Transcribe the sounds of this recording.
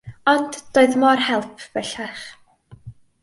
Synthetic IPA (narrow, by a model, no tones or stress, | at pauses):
ɔndd̥oːɨðmɔrhɛlˠpʰvɛɬaχ